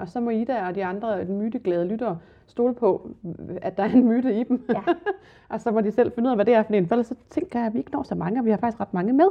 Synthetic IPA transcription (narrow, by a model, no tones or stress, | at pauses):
ɒ̽sɒ̽mɒ̽id̥æɒ̽d̥iɑ̈nd̥ʁɐmyːd̥əɡ̥lɛːð̞ˠlyd̥ɐː | sd̥o̝ːləpʰɒ̽æd̥ɑ̈æɐe̝nmyːd̥əid̥m | ʔɒ̽sɒ̽mɒ̽d̥isel̰fenuð̰ˠæʋæd̥e̝æɐfɒnḛːnfelsɒ̽t͡sʰeŋ̰ɡ̥ɐjaʋie̝ɡ̥ənɒ̰ːsɒ̽mɑ̈ŋəɒ̽ʋihɑfɑ̈ɡ̥isɡ̥ʁɑd̥mɑ̈ŋəmeð̞ˠ